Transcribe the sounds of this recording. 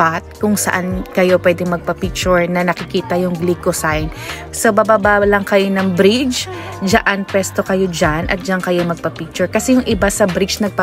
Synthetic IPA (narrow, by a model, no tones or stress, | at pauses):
at̪̚kʊŋsɐ̰ʔankɐjo̞pwɛd̪ɪŋmɐɡ̚pɐpik̚t͡ʃʊɹnɐnɐkɪkiːt̪ɐjʊŋɡlikosajn | sobabaːbalɐŋkɐjo̞nɐŋbɾid͡ʒ | d͡ʒɐʔanpwɛst̪o̞kɐjo̞d͡ʒanʔɐ̰t̪̚d͡ʒankɐjomɐɡ̚pɐpik̚t͡ʃʊɹkɐsɛjʊŋʔɪbasɐbɾɪt͡ʃnɐɡ̚pa